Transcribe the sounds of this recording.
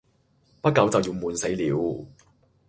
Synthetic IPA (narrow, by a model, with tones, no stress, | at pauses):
pɐ˥t̚kːɐ˨˥wt͡sɐ˨wjiː˧wmuː˨˧nse˨˥jliː˨˧w